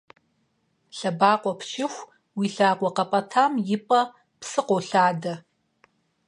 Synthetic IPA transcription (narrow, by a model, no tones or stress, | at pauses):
ɬɐbaːqʷʼɔpʃʰɪxʷ | wiːɬaːqʷɔqɐpʼɐtʰaːmjɪpʼɐ | psɨqʷowɬaːdɐ